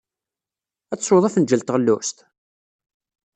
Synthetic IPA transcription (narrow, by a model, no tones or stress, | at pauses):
æːwoðˤæfənd͡ʒəlt̪ʁəlːʊst̪